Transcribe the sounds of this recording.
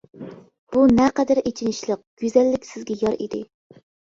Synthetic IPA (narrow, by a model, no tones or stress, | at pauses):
b̥unɛqɛd̪æɾʔet͡ʃʰinɪʃlˠəq̚ɡ̥ʲyzɛlːɪkʲsɪzɡʲɛjɑɾḭd̪ɪ